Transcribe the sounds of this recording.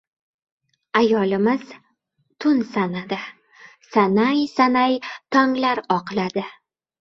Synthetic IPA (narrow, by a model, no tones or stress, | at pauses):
ajɒlɪmɪz̥ | t̪ʰʊnsanad̪ɪ | sanajsanajt̪ʰɒŋlaɾɒqlad̪ɪ